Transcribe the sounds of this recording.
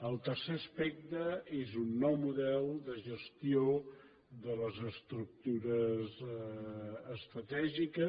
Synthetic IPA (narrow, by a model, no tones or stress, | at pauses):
əlˠt̪əɾseəspɛk̚t̪əezunːɔwmuðɛlˠd̪əʒəst̪io | ðələzəst̪ɾuk̚t̪uɾəz | əst̪ɾət̪ɛʒikə